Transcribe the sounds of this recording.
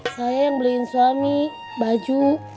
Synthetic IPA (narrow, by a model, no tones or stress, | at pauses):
sajajaŋbəliːnsuani | bad͡ʒu